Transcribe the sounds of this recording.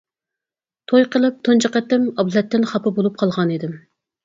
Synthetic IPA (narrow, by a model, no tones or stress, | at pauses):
t̪ʰojqəlˠɨp̚t̪ʰont͡ʃʰɑqæt̪ːɪmɑblɛt̪ːɪnχɑpʰɨbolˠup̚qʰɑlˠʁɑnid̪ɪm